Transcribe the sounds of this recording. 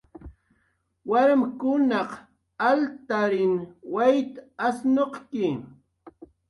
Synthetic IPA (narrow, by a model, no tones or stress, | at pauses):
waɾmkʊnɑq | alt̪aɾɪnwajt̪asnoqkɪ